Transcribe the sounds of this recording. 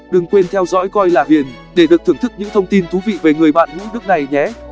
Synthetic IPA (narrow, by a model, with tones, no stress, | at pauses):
ɗɨ˨˩ŋkwe˧nt̪ʰɛ˧wzɔ̰˧˥jkɔ˧jlaː˨˩vi˨˩ən | ɗe˧˩ɗɨ˨˩ək̪̚ʰɨ˧˩əŋt̪ʰk̚ɲɨ̰˧˥ŋt̪ʰə˧wŋ͡mt̪i˧nt̪ʰu˨˦vḭ˧˨ve˨˩ŋɨ˨˩əjɓa̰ː˧˨nzɨ̰˧˥n˦˥ək̚na˨˩jɲɛ˨˦